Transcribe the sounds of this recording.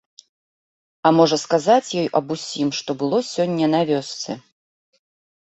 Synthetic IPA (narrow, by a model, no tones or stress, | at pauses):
ɐmɔʐɐskazat͡sʲjɔjɐbusʲimʂt̪ɔbɨlˠɔsʲɔnʲːɐnavʲɔst̪sɨ